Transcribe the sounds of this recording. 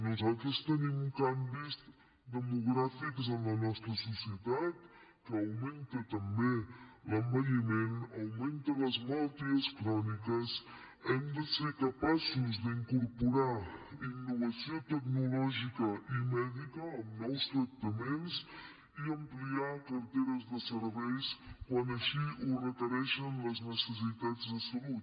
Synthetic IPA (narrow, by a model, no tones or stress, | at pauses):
nuzalˠt̪ɾəst̪ənimkambiz | d̪əmuɣɾafikzənlənɔst̪ɾəsusiət̪at̪ | kəːwment̪ət̪əmbeləmbəʎimenəwment̪ələzmalˠt̪iəskɾɔnikəs | ɛmd̪əsekəpasuzd̪iŋkuɾpuɾainːuβəsiot̪əknulɔʒikəʔimɛðikəːmnɔwst̪ɾək̚t̪əmens | iəmpliakəɾt̪eɾəzðəsəɾβɛjskwanəʃiurəkəɾɛʃənləznəsəs̬it̪ad͡zd̪əsəlut̪